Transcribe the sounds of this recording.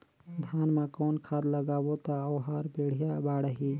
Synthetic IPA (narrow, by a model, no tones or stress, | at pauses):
d̪ʱaːnmãkoːnkʰaːd̪ləɡaːbot̪aəwɦaːɾbeːɽ̤ijabaːɽəɦi